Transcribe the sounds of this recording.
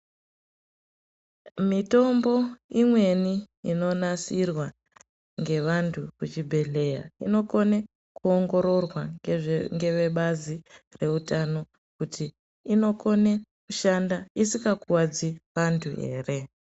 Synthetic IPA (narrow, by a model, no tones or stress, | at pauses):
mito̞mbo̞imwe̞niː | no̞nasirwa | ŋɡe̞ʋantʰukut͡ʃibʱe̞ɮe̞ja̰ino̞ko̞ne | kuoŋɡo̞ɾo̞rwaŋɡe̞ʋe̞ɓazire̞utano̞ | kutʰiː | no̞ko̞ne̞kuʃandaisikakuwad͡ziʋantʰue̞̰ːre̞